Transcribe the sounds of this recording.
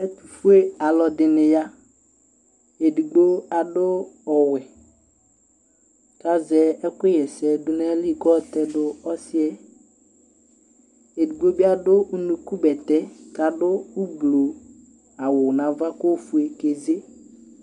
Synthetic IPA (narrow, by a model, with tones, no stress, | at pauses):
ɛ˦t̪u˨fu˦e˦a˨lɔ˨dɪ˨nɪ˨ja˦ | e˨di˨ɡ͡bo˦a˨ɖʊ˦ɔ˨wɛ˨ | ka˦zɛ˨ɛ˦kʊ˦ɪ˦jɛ˨sɛ˨dʊ˨nɛ˦li˦˨kɔ˦˨t̪ɛ˦dʊ˦ɔ˦sɪ˦ɛ˦ | e˨di˨ɡ͡bo˦bɪ˦a˦dʊ˦u˦nu˨ku˦bɛ˨t̪ɛ˦ka˨dʊ˦u˦blo˨ | a˨wʊ˨nã˨va˦ko˦fu˦e˨ke˨ze˦